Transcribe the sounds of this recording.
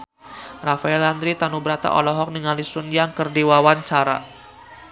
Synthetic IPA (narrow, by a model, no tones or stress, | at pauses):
rafaɛland̪ɾit̪anubɾat̪a̰ʔɔ̰lɔɦɔk̚nəŋalisunjaŋkərdiwawant͡ʃaɾa̰